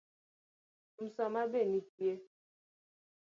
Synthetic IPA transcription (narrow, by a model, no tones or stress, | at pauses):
m̩sɔmabenikje